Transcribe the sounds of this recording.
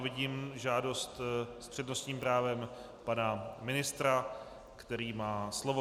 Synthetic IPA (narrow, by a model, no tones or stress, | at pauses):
vɪɟiːmʒaːdo̞st̪spr̝̥ɛdnost̪ɲiːmpɾaːvɛm | panamɪnɪst̪ɾa | kt̪ɛɾiːmaːslovo